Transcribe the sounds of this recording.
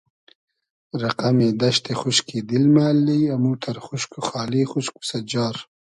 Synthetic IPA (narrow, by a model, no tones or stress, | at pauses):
ɾaqamed̪aʃt̪exʊʃked̪ɪlmaːlːiamut̪ʰaɾxʊʃkuxɑːlixʊʃku̥sad͡ʒɑːɾ